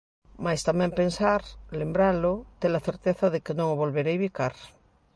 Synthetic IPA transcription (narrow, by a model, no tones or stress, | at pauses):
majst̪amẽmpensaɾlembɾalot̪elaθeɾt̪eθaðekenõŋoβolβeɾejβikaɾ